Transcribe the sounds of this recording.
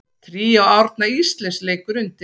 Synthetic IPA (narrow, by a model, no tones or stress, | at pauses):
t̪ʰɾiːawawɾt̪naist̪lɛnsleːjkʏɾʏnt̪ɪ